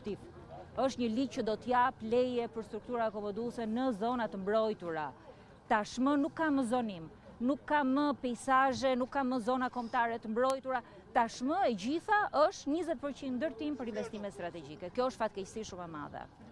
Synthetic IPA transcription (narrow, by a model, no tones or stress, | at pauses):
t̪iv | əʃt̪ɲəlicəd̪ɔt̪əjaplɛjɛpəɾst̪ɾuk̚t̪uɾaɛkɔmɔd̪usɛnəzɔnat̪əmbɾɔjt̪uɾa | t̪aʃmənukːaməzɔnim | nukʰːaməpɛjsaʒɛnukːaməzɔnakɔmt̪aɾɛt̪əmbɾɔjt̪uɾa | t̪aʃməɛɟiθaʔəʃt̪ɲizɛt̪̚pəɾt͡ɕinnd̪əɾt̪impəɾinvɛst̪imɛt̪st̪ɾat̪ɛɟikɛkjɔəʃt̪fat̪kɛcsiʃumɛma̰ðɛ̰